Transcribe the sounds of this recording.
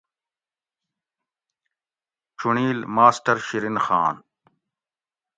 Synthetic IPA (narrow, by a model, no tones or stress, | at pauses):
t͡ɕʰuɳiːlmaːsʈɐɾɕiɾinxa̰ːn